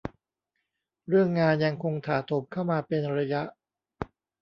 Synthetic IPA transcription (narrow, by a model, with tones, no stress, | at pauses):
ɾɯ˥˩əŋːaː˧nja˧ŋkʰo˧ŋt̪ʰaː˩˦t̪ʰo˨˩˦p̚kʰa˥˩wmaː˧pe˧nɾa˧ja˦˥ʔ